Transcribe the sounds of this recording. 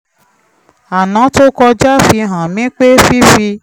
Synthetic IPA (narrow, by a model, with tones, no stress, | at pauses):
a˨nã˨˦to˦kɔ˧d͡ʒa˦fi˧ɦã˨mĩ˨˦k͡pe˦fi˦fi˧